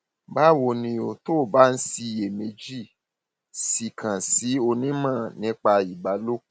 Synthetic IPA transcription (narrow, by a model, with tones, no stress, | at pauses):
ba˦˨wo˧˨nĩ˧o˧to˦˨ba˦n̩˦si˧je˨me˧˦d͡ʒi˦˨ | si˨kʰã˨si˨˦o˧nĩ˦mãː˦˨nĩ˨˦k͡pa˧i˨ɡ͡ba˨˦lo˦˨